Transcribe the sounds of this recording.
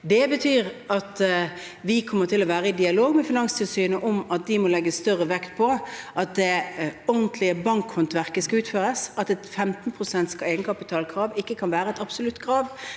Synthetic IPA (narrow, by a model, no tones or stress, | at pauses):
d̪ɛbət̪ʰyːɾɑt̪ | ʋɪkʰɔmːəʁt̪ʰɪlɔʋæːɾəɪd̪ɪɑloːɡmɛfɪnɑŋst̪ʰɪlsyːnəʔɔmɑt̪̚d̪ɪmɔlɛɡːəsst̪œʁəʋɛkt̪̚pʰɔʔɑt̪̚d̪ɛɔʁnt̪ʰlɪəbɑŋkhɔnt̪ʋæʁkəskɑʉːt̪føːʁəsɑt̪ɛt̪fɛmt̪n̩pʰʁʊsɛnt̪skʰɑeɪɡənəkʰɑpɪt̪ʰɑːlkʰɾɑːʋɪkːəkʰɑnʋæːɾəɛt̪ɑbsʊlʉt̪ːɡɾɑːʋ